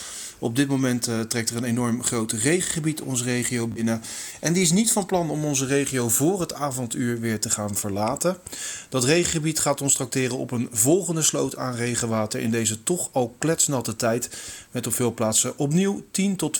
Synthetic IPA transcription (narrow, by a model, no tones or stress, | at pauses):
ɔb̚dɪt̚momɛnttrɛktərənenɔɹmχrowtrejχəχəbitɔ̰nzərejχijowbɪnəʔɛndiɪs̬nitfɑnplɑnɔmɔnzərejχijowvʊːrɦətaːvɔntyːɹʋɪːɹtəχaːnv̥əɹlaːtəd̥ɑtrejχəχəbitχaːtɔnstrɑk̚tɪːrənɔ̰pənvɔlˠχəndəslowta̰ːnrejχəʋaːtəɹʔɪ̰ndejzətɔχɑlˠklɛtsnɑtətɛjtmɛtɔpfɪːlˠplaːtsəʔɔp̬niwtintɔt